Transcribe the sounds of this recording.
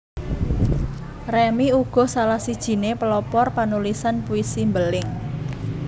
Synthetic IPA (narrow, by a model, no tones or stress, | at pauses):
rɛmiuɡ̥ɔ̤salahsid̥ʒ̥i̤nepəlɔpɔrpanulisanpuisimbəlɪŋ